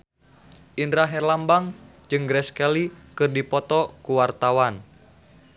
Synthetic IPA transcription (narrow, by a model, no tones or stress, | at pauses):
ʔindɾaɦɛrlambaŋ | d͡ʒɨŋɡɾɛskɛlikɨrdipɔt̪ɔkuwart̪awan